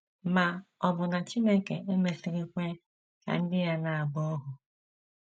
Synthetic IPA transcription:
ma˨ɔ˨bʊ˨na˨t͡ʃi˦me˦ŋ˦˨kḛ˨e˦me˨si˨ɾi˦kʷe˦ | ka̰˨n̩˦dɪ˦ja˦na˨a˨bɔ˦ɦʊ˨

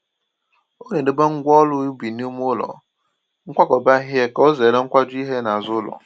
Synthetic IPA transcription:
o˦ɲe˨dɪ˨ɡ͡ba˦ŋ̩˦ɡʷɔ˦lʊ˦ju˦bi˨n˦o˦m˦ʊ˦lɔ̰˨ | ŋ̩˦kʷa˦kɔ˨ba˦ɦje˦ko˦ze˨ɾe˦ŋ̩˦kʷa˦d͡ʒʊ˦i˦ɦe˦na˨zʊ˦lɔ̰˨

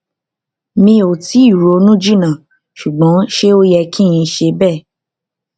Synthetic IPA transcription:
mĩ˧o˨ti˨˦i˦˨ɾo˨˦nũ˦d͡ʒi˦˨nã˨ | ʃu˨ɡ͡bɔ̃˨˦ʃe˦o˦jɛ˧kʰĩ˦j̃ĩ˧˦ʃe˧˦bɛː˦˨

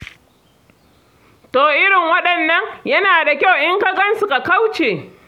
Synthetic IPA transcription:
toː˨ʔɪ˦ɽɪ˨ŋwɐ˦ɗɐ˨nːɐ˦ŋjɐ˦naː˨da˨kʲa˦˨wʔɪ˦ŋkɐ˦ɡɐ˦nsu˨ka˨ka˦wt͡ʃeː˨

